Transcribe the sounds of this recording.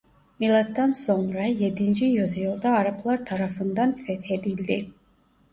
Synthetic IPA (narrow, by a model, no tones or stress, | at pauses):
milat̪ːɑnsɔŋɾɑjɛd̪ind͡ʒijuzjɨlˠd̪ɑːɾɑpʰlˠɑɾt̪ʰɑɾɑfɯnd̪ɑnfɛt̪hɛd̪ild̪i